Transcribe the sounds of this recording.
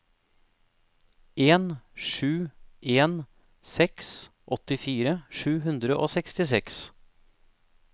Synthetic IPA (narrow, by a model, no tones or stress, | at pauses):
ʔeːnʃʉːʔeːn | sɛksʔɔt̪ɪfiːɾəʂʉːɦʉnd̪ɾəʔoːsɛkst̪ɪsɛks